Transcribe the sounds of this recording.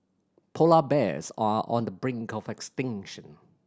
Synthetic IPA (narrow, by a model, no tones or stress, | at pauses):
pʰolabɛ̰zaʔɔ̰̃ndəbɹɪ̃ŋkʰɔvɛkstɪ̃ŋʃə̃n